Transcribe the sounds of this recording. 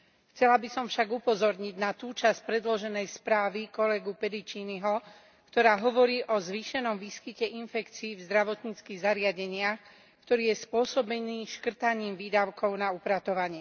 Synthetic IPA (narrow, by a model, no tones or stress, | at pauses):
xt͡sɛlabisɔmfʃaɡupɔzɔɾɲiɟnat̪uːt͡ʃasc̚pɾɛd̪lɔʒɛnɛjspɾaːʋikɔlɛɡupɛd̪it͡ʃiːniɦɔ | kt̪ɔɾaːɦɔʋɔɾiːʔɔzʋiːʃɛnɔmʋiːskicɛʔinfɛkt͡siːvzd̪ɾaʋɔt̪ɲiːt͡skiːɣzaɾɪaɟɛɲɪax | kt̪ɔɾiːjɛspʊɔsɔbɛniːʃkr̩t̪aɲiːmʋiːd̪aʊkʰɔʊnaupɾat̪ɔʋaɲɪɛ